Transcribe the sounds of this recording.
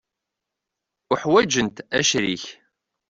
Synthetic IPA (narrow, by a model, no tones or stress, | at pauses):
ʊħwæd͡ʒənt̪æʃɾiç